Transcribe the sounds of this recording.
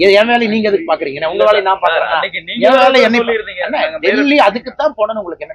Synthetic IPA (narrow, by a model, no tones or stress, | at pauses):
ɛɛʋaːlɐniːŋɡɐɪðɯkːɯpaːɾkɯɾiːŋɡɐnːeʊŋɡɐʋaːlɐnãːpaːɾkɯɾḛ̃ːnaːɛʋaːlɐɛnːɐɛnːɐʋ̪ɛllːiɐðɯkːɯt̪ːãːpoːnɐnʊŋɡɐɭɯkːɯɛnːɐ